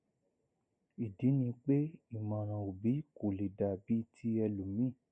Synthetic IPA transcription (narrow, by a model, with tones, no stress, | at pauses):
i˨di˨˦nĩ˧k͡pe˦i˦˨mã˧˨ɾ̃ã˧˨o˨bi˨˦ko˨le˨da˨bi˨˦tʰi˦ɛ˧lu˨mĩ˦˨